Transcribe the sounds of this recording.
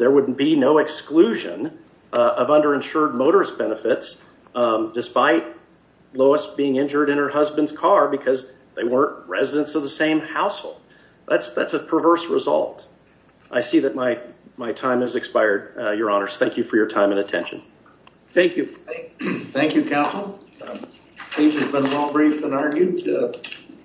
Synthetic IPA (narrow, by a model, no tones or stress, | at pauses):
ðə˞wʊdⁿn̩b̥inoʊɨksklʉʒɨ̰̃n | ʌvʌ̃ndə˞ɨ̃nʃʊɹd̚moʊɾə˞sb̥ɛnəfɪts | dɨspaɪt̚ | loʊəsb̥iɪ̃ŋɪ̃nd͡ʒə˞ɾɨ̃nə˞hʌzbɨ̃ndz̥kʰɑɹbɨkʰʌz | ðeɪwɜ̃˞nʔɹɛ̰zɨɾɨ̃ntsʌvðəsẽɪ̃mhaʊshoʊlˠd̥̚ | ðætsðæ̰tsɨpʰə˞vɜ˞sɹəzʌ̰lˠt | ʔaɪsiðɨt̚maɪmaɪtʰãɪ̃mɨzɨkspaɪə˞d̚jə˞ɑnə˞z̥θæ̃ŋkjɨfə˞jə˞tʰãɪ̃mɨ̃ñɨtʰɛ̰̃nʃɨ̰̃n̩ | θæ̃ŋkʰjʉ | θæ̃ŋkjʉkʰæsl̩ˠ | id͡ʒɨzbə̃nmɔlˠbɹifɨ̃nɑɹɡjʉd